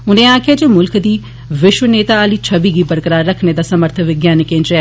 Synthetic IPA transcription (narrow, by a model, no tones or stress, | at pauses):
ʊnẽːãːkʰɪjaːd͡ʒeːmʊlkd̪iː | ʋɪʃwəneːt̪aːəliːt͡ʃʰəbiːɡiːbəɾkəɾaːɾːəkʰneːd̪aːsəməɾt̪ʰəʋɪɡjaːnɪkẽːnt͡ʃɛː